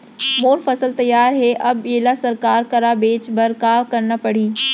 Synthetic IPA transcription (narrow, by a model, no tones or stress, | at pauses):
moːɾfɐsəlt̪ɐjːaːɾɦeʔɐbeːlasɐɾkaːɾkɐɾabeːt͡ʃbɐɾkaːʋkɐɾnəpɐɽ̤iː